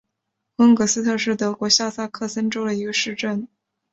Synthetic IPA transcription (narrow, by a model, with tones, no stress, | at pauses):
wə˥ŋkɤ˧˥sɹ̩˥t̪ʰɤ˥˧ʂɻ̩˥˩t̪ɤ˧˥kwɔ˧˥ɕja˥˩sa˥kʰɤ˥˩sə˥nʈ͡ʂo˥ʊd̪ə˨i˧˥ɡə˧ʂɻ̩˥˧ʈ͡ʂə˥˩n